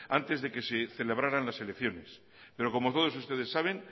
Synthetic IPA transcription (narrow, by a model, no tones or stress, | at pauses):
ant̪e̞zðe̞ke̞seθe̞le̞βɾaɾanlase̞le̞kθjo̞ne̞s | pe̞ɾo̞ko̞mot̪o̞ð̞o̞sust̪e̞ðe̞sːaβ̞e̞n